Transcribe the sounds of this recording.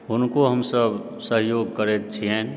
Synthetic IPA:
ʊnkoɦəmsəb | səɦjoːɡ̚kəɾet̪t͡ʃʰiɦɛ̃

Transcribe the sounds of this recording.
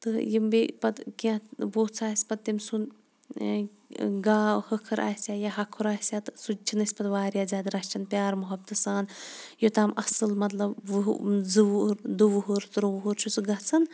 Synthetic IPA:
t̪ɨjimbipɐd̪kãʋoːt͡sʰaːsʲpɐt̪̚t̪ːimsun | ɡaːhəkʰɐɾʔa̰ːɦsʲaːjaɦɐkʰuɾaːɦʲsʲjaːt̪ɨsut͡ʃʰinɨsʲpɐd̪ʋaːɾjaːzʲaːd̪ɾɐʃt͡ʃʰɐnpʲaːɾmuɦɐb̚t̪ɨsaːnjot̪aːmʔɐsɨlmɐt̪lɐb | zɨuɾd̪uʋuɦuɾt̪ɨɾuʋuɦuɾt͡ʃʰut͡sɨɡɐt͡sʰɐn

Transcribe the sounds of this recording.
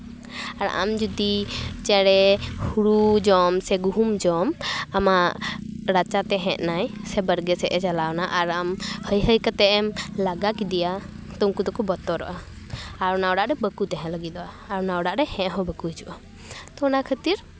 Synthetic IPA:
aɾa̰md͡ʒud̪it͡ʃɛɽɛhuɽud͡ʒɔmsɛɡuɦumd͡ʒɔmamaʔɾat͡ʃat̪ɛɦɛ̃ʔ̪̚najsɛbəɾɡɛsɛʔɛt͡ʃalawnaʔaɾamhəjɦəjkət̪ɛʔɛmlaɡakid̪ija | t̪ɔmkud̪ɔkubɔt̪ɔɾɔ̰ʔaː | ɾɔnaɔɖaʔɾɛbəkut̪ɛɦɛ̃ləɡid̪ɔʔaːɾɔnaɔɖaʔɾɛhɛ̃ʔɦɔ̃bəkuid͡ʒuʔa | t̪ɔnakʰət̪iɾ

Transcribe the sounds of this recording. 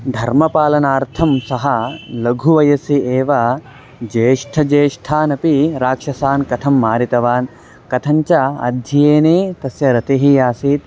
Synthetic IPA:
d̪ʱɐɾmɐpaːlɐnaːɾt̪ʰɐmsɐɦɐlɐɡʱuʋɐjɐsieːʋɐ | d͡ʒeːʂʈʰɐd͡ʒeːʂʈʰaːnɐpiɾaːkʂɐsaːnkɐt̪ʰɐmːaːɾit̪ɐʋaːn | kɐt̪ʰɐɲt͡ʃɐɐ̰d̪ʱjɐjeːneːt̪ɐsjɐɾɐt̪eɦijaːsiːt̪

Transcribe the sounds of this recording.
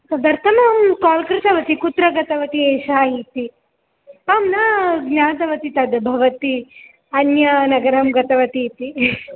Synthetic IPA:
t̪ɐd̪ɐɾt̪ɐnɐmkaːlkɾɪt̪ɐʋɐt̪ikut̪ɾɐɡɐt̪ɐʋɐt̪ieːʃaːɦit̪i | ɐmnaːɡnaːt̪ɐʋɐt̪it̪ɐd̪bʱɐʋɐt̪i | ɐnjɐnɐɡɐɾɐmɡɐt̪ɐʋɐt̪it̪i

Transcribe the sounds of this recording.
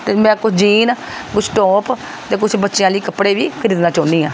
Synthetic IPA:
t̪eːmɛ̃ːkʊt͡ʃʰd͡ʒiːn | kʊt͡ʃʰʈɔːp | t̪eːkʊt͡ʃʰbətːʃjãːliːkəpːɽeːʋiːkʰəɾiːd̪nãːt͡ʃɔ̃ːnd̪iːãː

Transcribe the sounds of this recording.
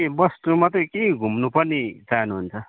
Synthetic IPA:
ebʌst̪umat̪ʌkeĩɡʱumnupʌnit͡saɦnuɦunt͡sʰʌ

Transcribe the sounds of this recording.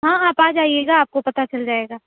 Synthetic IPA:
ɦãːaːpaːd͡ʒaːieːɡaːp̚kopɐt̪at͡ʃɐld͡ʒaːeːɡaː

